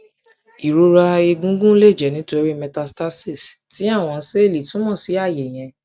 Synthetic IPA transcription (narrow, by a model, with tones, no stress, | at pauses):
i˨ɾo˧ɾa˧e˧ɡũ˦ɡũ˦le˦˨d͡ʒɛ˨nĩ˨˦to˧˦i˦ɾi˦mɛ˧ta˧sta˦si˦˨sti˨˦a˦˨w̃ɔ̃˧˦se˦e˦˨li˨tũ˦mɔ̃˦˨si˨˦a˦˨je˨j̃ɛ̃˧